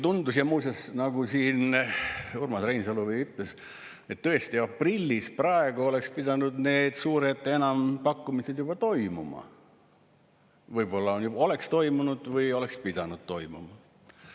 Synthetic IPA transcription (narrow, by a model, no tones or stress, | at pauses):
t̪und̪̥usjɑmuːsesnɑɡ̥usiːn | urmɑsrejnsoluvijyt̪ˑles | et̪ːø̞est̪iɑprilʲːisprɑe̞ɡ̥uo̞le̞kspid̪̥ɑnud̪ne̞ːd̪̥suːɾet̪ːˑe̞nɑmpɑkːumise̞d̪jub̥ɑt̪o̞jmumɑ̰ | vɯjbo̞lːɑonjubo̞le̞kst̪o̞jmunud̪̥vɯjo̞le̞kspid̪̥ɑnud̪̥̚t̪o̞jmumɑ